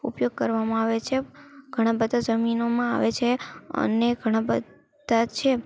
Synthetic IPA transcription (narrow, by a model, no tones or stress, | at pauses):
ṵpjoɡ̚kəɾʋamãaʋet͡ʃʰeɡʱəɽ̃ãbəd̪ʱad͡ʒəminomãa̰ʋet͡ʃʰeə̰neɡʱəɽ̃ãbə | d̪at͡ʃʰe